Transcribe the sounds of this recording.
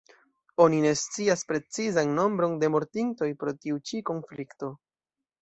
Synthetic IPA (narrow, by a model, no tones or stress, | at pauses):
o̞nine̞st͡siaspɾe̞t͡sizanːo̞mbɾo̞nde̞mo̞ɾtinto̞jpɾo̞tiut͡ʃiko̞nflikto̞